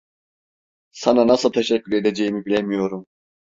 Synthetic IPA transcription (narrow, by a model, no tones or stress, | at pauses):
sananasɯlˠt̪ʰeʃɛcːyɾed̪ed͡ʒejimibilʲemijo̞ɾum